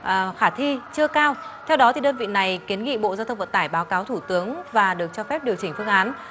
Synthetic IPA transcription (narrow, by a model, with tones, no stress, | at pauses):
xaː˧˩t̪ʰi˧t͡ɕɨ˧əkaː˧wt̪ʰɛ˧wɗɔ˨˦t̪ʰi˨˩ɗəː˧nvḭ˧˨na˨˩jki˨˦ənŋḭ˧˨ɓo̰˧˨zaː˧t̪ʰə˧ŋ͡mvə̰˧˨˩nt̪aː˧˩jɓaː˨˦wkaː˨˦wt̪ʰu˧˩t̪ɨ˨˦əŋvaː˨˩ɗɨ˨˩ək̚t͡ɕɔ˧fɛ˦˥p̚ɗi˨˩əwt͡ɕï˧˩ŋ̟fɨ˧əŋʔaː˨˦n